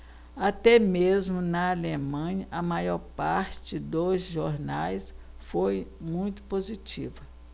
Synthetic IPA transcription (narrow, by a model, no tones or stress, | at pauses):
at̪ɛmezmʊnɐːlemɐ̃ɲɐʔɐmajɔɾpaɾt͡ʃɪɪd̪osʒoɾnajs | fojmũj̃t̪ʊ̥pozit͡ʃḭvɐ